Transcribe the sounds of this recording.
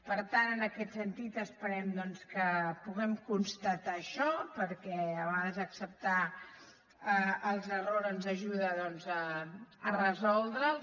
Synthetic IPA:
pəɾt̪anənəkɛt̪sənt̪it̪əspəɾɛmd̪ɔnskəpuɣɛmkunst̪ət̪aʃɔpəɾkɛəβɣaðəzəksəp̚t̪a | əəlˠzəroɾənzəʒuðəðɔnzəː | rəzɔlˠd̪ɾəl

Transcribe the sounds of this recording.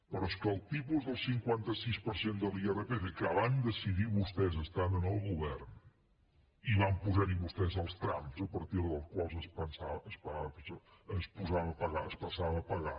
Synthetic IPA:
pəɾɔskəlˠt̪ipuzðəlˠsiŋkwant̪əsispəɾsend̪əlˠierəpefekaβaɲd̪əsiðiβust̪ɛzəst̪anənəlˠɣuβɛrn | iβampuzaɾiβust̪ɛzəlˠst̪ɾamzəpəɾt̪iɾðəlˠskwalˠzəspənsaəspaəsəspuzaβəəpəɣaəspəsaβəpəɣa

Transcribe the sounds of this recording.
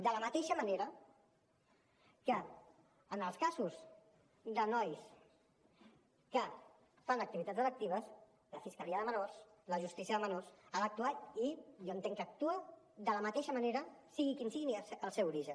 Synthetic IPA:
d̪ələmət̪eʃəməneɾə | kə | ənəlˠskazus | d̪ənɔjs | kə | fanəkt̪iβit̪ad̪d͡zzələk̚t̪iβəs | ləfiskəliəðəmənors | ləʒust̪isiəðəmənorsalək̚t̪uat̪ijoənt̪eŋkəːk̚t̪uə | d̪ələmət̪eʃəməneɾəsiɣikinsiɣiniəlˠsɛwuɾiʒən

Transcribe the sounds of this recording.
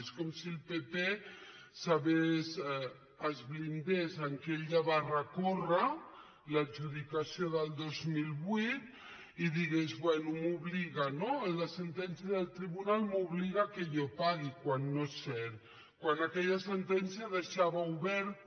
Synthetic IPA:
skɔmsilˠpepe | saβez | əzβlind̪ezəŋkeʎaβarəkorə | laɾʒuðikasijoðəlˠd̪ozmilˠβwit̪̚ | iðiɣezβwɛnumuβliɣanoləsənt̪ɛnsijaðəlˠt̪ɾiβunalmuβliɣakejopaɣikwanːosɛɾ | kwanakɛʎasənt̪ɛnsiaðəʃaβauβɛɾ

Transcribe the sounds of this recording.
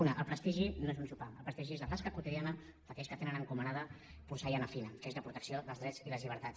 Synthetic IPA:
unəʔəlˠpɾəst̪iʒinoezunsupaəlˠpɾəst̪iʒiezlət̪askəkut̪iðianə | fək̪ɛskət̪enənəŋkumənaðə | puɾsajanəfinəkezðəpɾut̪əksioðəlˠzðɾɛd͡ziləzʎiβ̞əɾt̪at͡s

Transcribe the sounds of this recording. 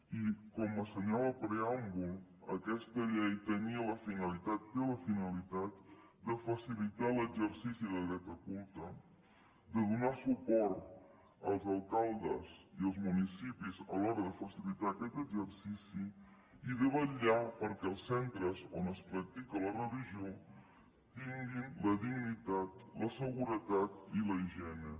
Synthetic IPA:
ikɔməsəɲaβəpɾeambulˠ | əkɛst̪əʎejt̪əniələfinəlit̪at̪feləfinəlit̪at̪̚ | d̪əfəsilit̪aləɡzəɾsisiðəðɾɛt̪əkulˠt̪ə | d̪əðunasupɔɾt̪ | əlˠzəlˠkalˠd̪ə̰ziəlˠzmunisipizəlɔɾəðəfəsilit̪aəkɛt̪əɡzəɾsisi | iðɛβəʎapəɾkɛəlˠsːɛnt̪ɾəzonəspɾək̚t̪ikələrəliʒio | t̪iŋɡinləðiɡnit̪at̪ləsəɣuɾət̪at̪iləiʒɛnə

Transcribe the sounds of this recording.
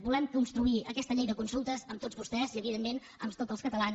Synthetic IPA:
bulɛmkunst̪ɾuiəkɛst̪əʎejðəkunsulˠt̪əzəmt̪ozβust̪ɛziəβiðemːen | əmt̪otzəlˠskət̪əlan

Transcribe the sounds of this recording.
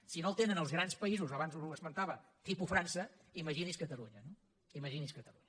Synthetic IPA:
sinolˠt̪enənəlˠzɣɾanspəizuzoβanzuuəzmənt̪aβət̪ipufɾansə | iməʒiniskət̪əluɲəno | iməʒiniskət̪əluɲə

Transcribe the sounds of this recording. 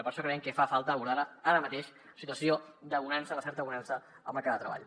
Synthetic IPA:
pəɾʃokɾɛŋkefafalˠt̪əβuɾaðəaɾəmət̪eʃ | sit̪uəsiod̪əβunansələsɛɾt̪əβunansə | ə̰lˠməɾkad̪ət̪ɾə̰βa̰ʎ

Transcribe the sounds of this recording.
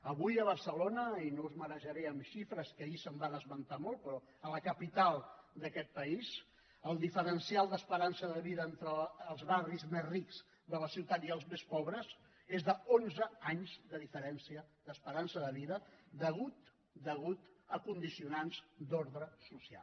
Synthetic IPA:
əβujəβ̞əɾsəlonəinouzmənəʒəɾɛəmʃifɾəskəisəmbaðəzmənt̪amolˠt̪̚pɾɔ | ələkəpit̪alˠd̪əkɛt̪̚pəiz | əlˠd̪ifəɾənsialˠd̪əspəɾansəðəβiðəent̪ɾəːlˠzβarizmezrikz̥ | d̪ələsiwt̪at̪iəlˠzmespɔβɾəz | ezðəonzəaɲzðəðifəɾɛnsiəd̪əspəɾansəðəβiðəd̪əɣut̪ | d̪əɣut̪əkund̪isiunanzd̪oɾðɾəsusia̰l

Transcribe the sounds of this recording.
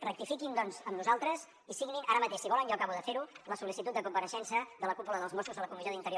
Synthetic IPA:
rək̚t̪ifikind̪ɔnzəmnuzalˠt̪ɾəz | isiɣninaɾəmət̪eʃsiβɔlənjɔkaβuðəfeɾuləsulisit̪ut̪̚d̪əkumpəɾəʃɛnsəðələkupuləðəlˠzmoskuzðələkumiʒioðint̪əɾio

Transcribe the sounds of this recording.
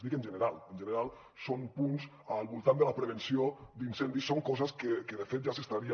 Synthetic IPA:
ðikənʒənəɾalˠənʲʒənəɾalˠ | sonpuns | əlˠβulˠt̪and̪ələpɾəβ̞ənsiod̪insɛnd̪isoŋkɔzəskəkəðəfet̪̚ʒasəst̪aɾiə

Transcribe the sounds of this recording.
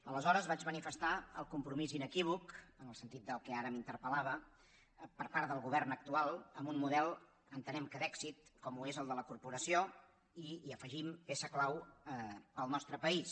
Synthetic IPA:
ələzɔɾəzβad͡ʒmənifəst̪aəlˠkumpɾumizinəkiβ̞ukənəlˠsənt̪it̪̚d̪əlˠkɛaɾəmint̪əɾpəlaβə | pəɾpaɾt̪d̪əlˠɣuβ̞ɛrnək̚t̪ualˠəmbunmuðɛlˠ | ənt̪ənɛmkəd̪ɛksit̪̚kɔmuezəlˠd̪ələkuɾpuɾəsio | iəfəʒimpesəklaw | əlˠnɔst̪ɾəpəis

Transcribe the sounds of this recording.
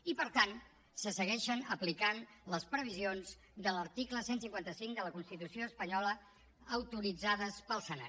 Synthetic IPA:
ipəɾt̪an | səsəɣɛʃənəplikanləspɾəβ̞izionz | d̪ələɾt̪ikləsensiŋkwant̪əsiŋd̪ələkunst̪it̪usioəspəɲɔləː | wt̪uɾid͡zaðəspəlˠsəna̰

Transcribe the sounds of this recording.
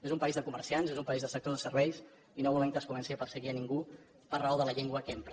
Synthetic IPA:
ezumpəizðəkuməɾsianzezumpəizðəsək̚t̪oðəsərβɛjs | inoβulɛŋkəskumɛnsiəpəsəɣiəniŋɡu | ərəoðələʎeŋɡwəkempɾə

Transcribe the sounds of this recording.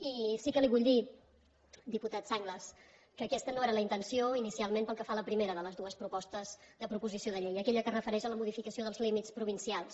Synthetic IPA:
isikəliβuʎd̪i | d̪iput̪at̪saŋɡləs | kəːkɛst̪ənoeɾələint̪ənsioinisialˠmempəlˠkəfaləpɾimeɾəðələzðuəspɾupɔst̪əzd̪əpɾupuzisioðəʎejəkɛʎəkərəfəɾɛʃələmuð̞ifikəsioðəlˠzlimitt͡spɾuβ̞insialˠs

